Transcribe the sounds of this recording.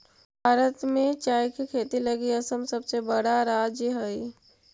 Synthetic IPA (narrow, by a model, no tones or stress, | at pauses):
bʱaːɾət̪mẽt͡ʃaːjkikʰeːt̪ilɐɡiɐsəmsɐbsebəɽaɾaːd͡ʒjəɦɐi